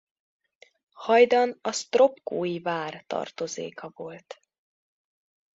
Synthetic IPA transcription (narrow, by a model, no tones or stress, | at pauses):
hɒjd̪ɒnɒst̪ro̞pkoːjivaːrt̪ɒ̰rt̪o̞zḛːkɒvo̞lt̪